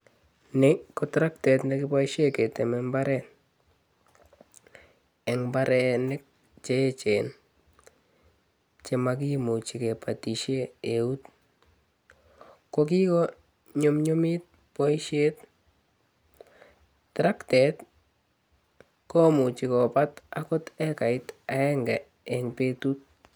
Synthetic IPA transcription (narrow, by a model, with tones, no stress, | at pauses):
nɪ˦kɔtɾa˦ktɛ˨tnɛki˦pɔ˦iʃe˦ke˨tɛ˨mɛmba˦ɾɛ˨n | ɛ˨ŋbaɾɛ˨nɪ˦k̚ | t͡ʃe˦t͡ʃe˨n | t͡ʃe˨mak̬i˦mu˨t͡ʃi˨ke˨pa˨ti˨ʃe˦e˨u˦t | ko˦ki˦kɔ˦ | ɲo˦mɲo˦mi˦t̚ | pɔ˦iʃe˦t | tɾa˦ktɛ˨t | kɔ˦mu˨t͡ʃi˨kɔ˨pa˦takɔ˦tɛ˦ka˨ɪ˦ta˨ɛ˦ŋɡɛ˨ | ɛ˨ŋpe˦tu˦t̚